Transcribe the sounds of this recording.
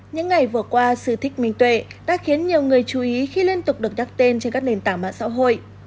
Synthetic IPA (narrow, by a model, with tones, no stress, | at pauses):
ɲɨ̰˧˥ŋːa˨˩jvɨ˨˩əkwaː˧sɨ˧˩t̪ʰï˦˥k̚mï˨˩ŋ̟t̪we˧˩ɗa̰ː˧˥xi˨˦ənɲi˨˩əwŋɨ˨˩əjt͡ɕu˨˩ʔi˨˦xi˧li˧ənt̪ʊ˨˩k͡p̚ɗɨ˨˩ək̚zaː˦˥k̚t̪e˧nt͡ɕe˧nkaː˦˥k̚ɗe˨˩nt̪aː˧˩mɓa̰ː˧˨nsa̰ː˧˥wɦo̰˧˨j